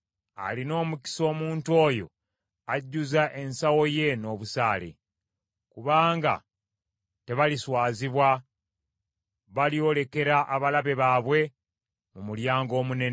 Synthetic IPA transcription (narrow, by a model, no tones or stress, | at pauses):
a̰lino̞ːmuki̥so̞ːmuːntuo̞ːjo̞̰ | aɟːuzaʔe̞nsawo̞je̞no̞ːβusa̰ːle̞̰ | kuβaːŋɡa̰ | te̞βaliswaːziβwa | βalio̞le̞ke̞ɾaʔaβalaβe̞βaːβwe̞ | mumuljaːŋɡo̞ːmune̞n